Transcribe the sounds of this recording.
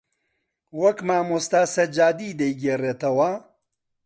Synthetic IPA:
wɐkmaːmust̪aːsɐd͡ʒaːd̪iːd̪ɐjɡeːreːt̪ɐwɐ

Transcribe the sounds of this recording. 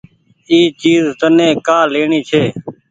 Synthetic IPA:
iːt͡ʃiːzt̪ənẽːkaːleːɳiːt͡ʃʰeː

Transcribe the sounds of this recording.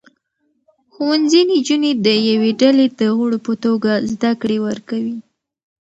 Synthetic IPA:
xowanzined͡ʒuned̪əjaweɖaled̪əɣoɽopət̪oɡazd̪akɽewəɾkawi

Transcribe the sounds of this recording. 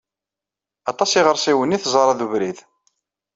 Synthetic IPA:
ɑt̪ˤɑsiʁəɾˤsiwənːiθzˤəɾˤɑðuvɾið

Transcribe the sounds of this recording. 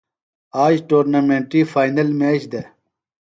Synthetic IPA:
aːd͡ʑʈoːɾnɐmeːɳʈiːfaːjnɐlmeːɕd̪e

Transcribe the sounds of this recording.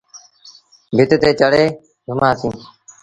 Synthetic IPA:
bʱɪt̪t̪eːt͡ʃəɽeː | d̪ʱʊmaːsĩː

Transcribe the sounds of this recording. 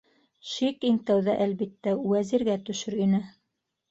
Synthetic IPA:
ʃikiŋt̪æwðæʔælβit̪ːæwæziɾɡæt̪ɵ̆ʃɘɾinɘ

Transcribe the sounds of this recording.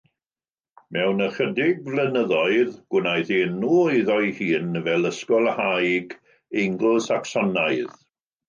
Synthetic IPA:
mɛwnəχədɪɡ̚vlənəðɔɨðɡ̥wɪnajðeːnːuːiðɔjhiːnvɛlˠəskɔlˠhajɡ | ɪŋɡl̩ˠsaksɔnaɨð̥

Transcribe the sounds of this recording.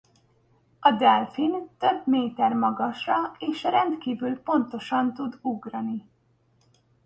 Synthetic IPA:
ɒd̪ɛlfint̪øbmeːt̪ɛrmɒɡɒʃrɒeːʃrɛnt̪kiːvylpo̞nt̪o̞ʃɒnt̪ud̪uɡrɒni

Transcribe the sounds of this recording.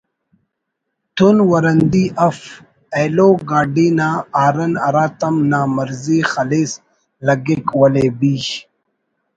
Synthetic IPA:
t̪ʰunwɐɾɐnd̪iʔɐf | eːloːɡaːɖinaːaːɾɐnɐɾaːt̪ɐmnaːmɐɾzixɐliːs | lɐɡekwɐlebiːɕ

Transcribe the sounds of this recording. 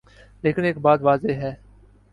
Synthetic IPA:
leːkɪneːk̚baːd̪ʋaːzeɦɛː

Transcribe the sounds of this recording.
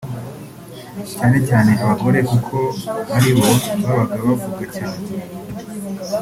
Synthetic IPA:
caːne̞caːne̞ʔaβaɡo̞ɾe̞kukʰo̞βaɾiβo̞βaβaɡaβavuɡwacaːn

